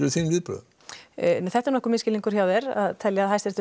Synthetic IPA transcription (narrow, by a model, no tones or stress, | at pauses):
ɪɾʏθiːnvɪðpɾœ̰ð̰ | θɛt̪ɛɾnɔhkʏɾmɪscɪliŋkʏɾ̥çawðɛɾa̰ðt̪ʰɛljaːðɦajsɾɛ̥t̪ɪ